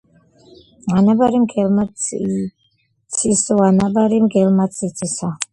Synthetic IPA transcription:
anabaɾimɡɛlma | sʰisɔanabaɾimɡɛlmat̪sʰit̪sʰisɔ

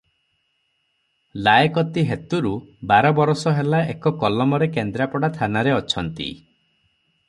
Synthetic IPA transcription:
laekɔt̪iɦet̪uɾubaɾɔbɔɾɔsɔɦelaekɔkɔlɔmɔɾekend̪ɾapɔɽat̪ʰanaɾeɔt͡ʃʰɔnt̪ḭ

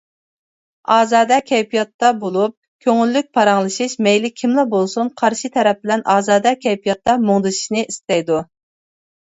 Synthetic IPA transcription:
ɑːzɑːd̪ɛkʲʰɛjpijɑt̪ːɑbolˠup̚ | kʲʰøŋylːyk̚ʲpʰɑɾɑŋlˠɨʃiʃmɛjlɪkʲʰimlˠɑbolˠsunqʰɑɾʃit̪ʰɛɾɛp̚bɪlɛnʔɑːzɑːd̪ɑkʲʰɛjpijɑt̪ːɑmoŋd̪ɨʃi̥ʃnɨʔist̪ɛjd̪u

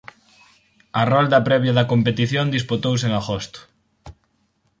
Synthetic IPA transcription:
ɐrɔld̪ɐpɾɛβjɐðɐkompet̪iθjond̪isput̪ows̬eŋaɣost̪ʊ̥

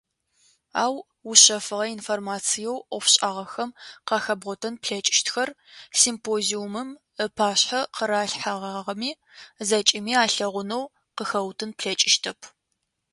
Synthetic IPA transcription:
a̰ːw | ʊɕɐfɨʁɐinformaːt͡sʰijɛwʔɔfɕʼaːʁɐxɐmqɑːxɐbʁʷɔtʰɐnpɬɐt͡ʃʼɪ̥ʃtxɐr | simpʰoːziumɨm | əpʰaːɕħɐqəɾaːɬħaʁaːʁɐmiː | zɐt͡ʃʼɪmiːaːɬɐʁʷʊnɐw | qəxɐwtʰɨnpɬɐt͡ʃʼɪʃtʰɐpʰ

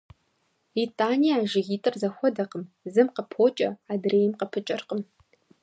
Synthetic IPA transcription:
itʼaːnijaːʒɪɣiːtʼɨrzɐxʷɔdɐqəm | zɨmqəpʰoːt͡ʃʼɐ̰aːdreːjɪmqəpʰɨt͡ʃʼɐrqəm

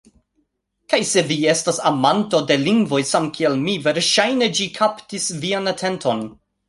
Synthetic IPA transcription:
kajse̞vie̞stasamanto̞de̞liŋɡvo̞jsamkʰielmive̞ɾʃajne̞d͡ʒikʰaptisvianatʰe̞ntʰo̞n

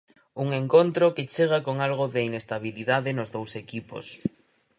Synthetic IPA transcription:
uŋeŋkont̪ɾoket͡ʃeɣ̞akoŋalɣoðeinest̪aβ̞iliðaðɪnʊzðowsekipo̰s

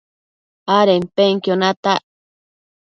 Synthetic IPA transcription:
aɾempeŋkjonat̪aʔ

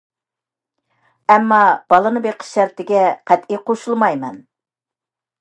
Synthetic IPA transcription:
ɛmːɑb̥ɑlˠɨnɨbeqʰə̥ʃæɾt̪ɪɡʲɛqʰæt̪iqʰoʃulˠmɑjmɛn

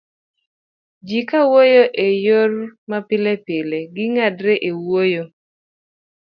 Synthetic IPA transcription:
d͡ʒikawojoʔejormapɪlepeleɡɪŋadɾeʔewojo

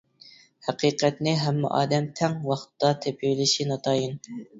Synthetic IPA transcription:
hæqiːqɛt̪nɪɦɛmːɪ̰ʔɑ̰ːd̪ɛmt̪ʰɛŋwɑχt̪ʰːɑt̪ʰepʰiwlɪʃinɑt̪ʰɑːjin

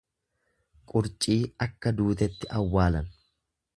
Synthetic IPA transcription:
kʼʊɾt͡ʃʼiːɐkːɐd̪uːt̪ɛt̪ːɪʔɐwːaːlɐn

